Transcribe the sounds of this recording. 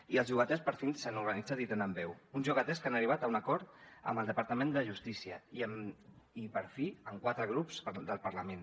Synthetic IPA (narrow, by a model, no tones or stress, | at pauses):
iəlzʒuɣət̪ɛspəɾfinsanuɾɣənid͡zat̪it̪enəmbɛwunzuɣət̪ɛskanəriβat̪əunəkɔɾt̪ə̰mbəlˠd̪əpəɾt̪əmẽnd̪əʒust̪isiə | ipəɾfiəŋkwat̪ɾəɣ̞ɾupz̥d̪əlˠpəɾləmen